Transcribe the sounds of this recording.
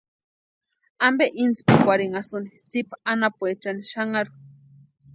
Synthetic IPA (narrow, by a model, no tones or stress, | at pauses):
ambeʔint͡spakʷwʷaɾiŋasunit͡sipanapuet͡ʃaniʃaŋaɾu̥